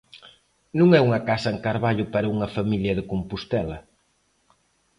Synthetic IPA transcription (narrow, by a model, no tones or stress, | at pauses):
nũŋɛuŋɐkasɐeŋkaɾβaʎʊpɐɾɐuŋɐfamiljɐðɪkumpust̪ɛlɐ